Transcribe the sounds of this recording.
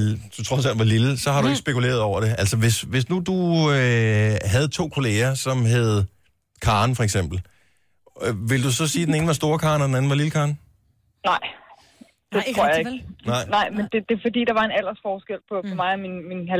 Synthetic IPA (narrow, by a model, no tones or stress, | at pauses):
d̥ut͡sʰʁɒsæl̰d̥ʋɑ̈liləsɒ̽hɑ̈ɾueɡ̥sb̥e̝kule̝̰ːɐð̞ˠɒʊ̰ɐd̥e̝æl̰sɒʋe̝sʋe̝snud̥uøɦæð̞̩ˠt͡sʰo̝̰ːkʰo̝le̝ːɐsɒ̽mɦeð̞̩ˠ | kʰɑ̈ːnfɒ̽eɡ̥sem̰b̥l̩ | ʋe̝ld̥usɒ̽siːd̥ene̝ːnəʋɑ̈sd̥o̝ːɐkʰɑ̈ːnɒd̥enæn̩ʋɑ̈liləkʰɑ̈ːn | nɑ̈ɪ̰ | d̥et͡sʰʁʰo̝ɐ̰jeɡ̥nɑ̈ɪ̰nɑ̈ɪmend̥e̝d̥e̝fɒ̽dḭːd̥ɑ̈ʋɑ̈e̝næl̰ɐsfɒːsɡ̥el̰pʰɒ̽pʰɒ̽mɑ̈ɪminminɦæ